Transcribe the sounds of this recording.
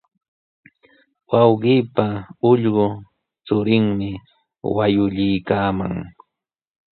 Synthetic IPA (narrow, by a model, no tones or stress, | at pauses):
wɑwɢiːpaʊʎɢʊ | t͡sʊɾɪŋmɪ | wajʊʎɪjkaːma̰ŋ